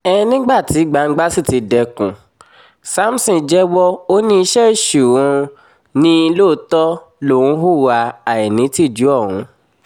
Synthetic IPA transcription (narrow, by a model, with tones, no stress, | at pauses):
ɛ˧ĩ˧nĩ˦ɡ͡ba˦˨ti˨˦ɡ͡ba˧˨ŋ̩˦ɡ͡ba˦si˦˨ti˨˧dɛ˧kṵ̃˨ | sa˦m̩˦sĩ˧˨d͡ʒɛ˦wɔ˦o˦nĩ˦˧˦ʃɛ˦˨ʃu˨wɔ̃˧ | nĩ˦i˧lo˦˨˧tɔ˦ | lo˨ũ˨˦ɦu˦wa˧a˨jɛ˨nĩ˨˦ti˦˨d͡ʒu˨˦ɔ˦˨wṵ̃˨˦